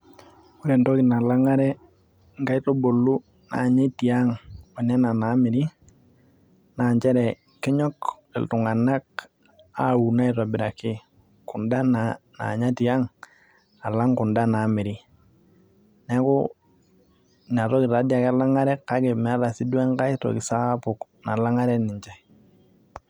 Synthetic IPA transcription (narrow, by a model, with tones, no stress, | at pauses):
ku˦ɾe˨nto˦kɪ˨na˨la˦ŋa˦ɾɛ˦ | ŋɡa˦i˦to˦bo˨lːu˦ | na̰˨ɲe˦ti˨a˦ŋo˨nɛ˦na˨naː˨˦mɪ˨ɾi˦ | na˨ɲt͡ʃɛ˦ɾɛ˨ | kɪ˦ɲɔ˦k | ɪ̰˨ltʊ˨ŋa˨na˦k̚ | a˦u˨na˦ɪ˨ɾɔ˨bɪ˨ɾa˨kɪ˦ | kʊ˨nda˦nana̰˨ɲa˦ti˨a˦ŋ | a˨la˦ŋkʊ˨nda˦na˨˦mɪ˨ɾi˦ | nɛ˦kʊ˦ | n˨a˨ɾɔ˦kɪ˨ta˨˦dja˨ka˦la˦ŋa˦ɾɛ˦ka˦ɡe˨mɛ˦ɾa˨sɪ˦dwɛ˦ŋka˦ɪ˦to̰˨kɪ˨saː˦pʊ˨kna˨la˦ŋa˦ɾɛ˦nɪ˨ɲt͡ʃɛ˦